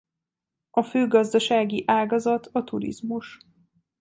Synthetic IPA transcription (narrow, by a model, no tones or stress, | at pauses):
ɒføːɡɒzd̪ɒʃaːɡiʔaːɡɒzɒt̪ʰɒt̪uɾḭzmuʃ